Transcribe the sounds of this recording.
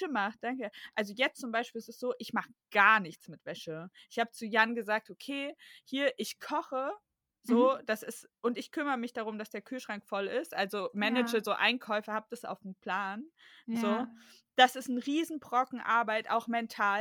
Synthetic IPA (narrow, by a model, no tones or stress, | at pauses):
əmaχt̚d̥aŋkəʔalzojɛt͡stt͡sʊmbaɪʃpilɛsɛstz̥oːʔɪçmaχəɡ̥aɐnɪçt͡smɪtv̥ɛʃəʔɪçhaːbət͡sujanɡəzaːk̚tʔokʰeːhiːɐʔɪçkʰɔχə | z̥oːd̥asɪstʔʊntɪçkʰʏməʁəmɪçd̥aʁʊmd̥asd̥eːɐkʰyːlʃʁ̥aŋkfɔlɪstʔalzomɛnɛd͡ʒəzoːʔa̰ɪnkʰɔʏfɐhaːp̚d̥asʔa̰ʊfn̩pl̥aːnzoː | d̥asɪstn̩ʁiːzn̩bʁ̥ɔkŋ̩ʔa̰ɐbaɪtʔa̰ʊxmɛntʰaːl